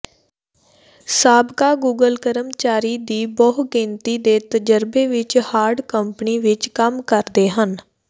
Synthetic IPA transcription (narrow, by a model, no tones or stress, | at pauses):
saːbkaːɡuːɡəlkəɾəmt͡ʃaːɾiːd̪iːbɔːɦɡɪ̃nt̪iːd̪eːt̪əd͡ʒəɾbeːʋɪt͡ʃhaːɾɖkəmpniːʋɪt͡ʃkəmkəɾd̪eːɦən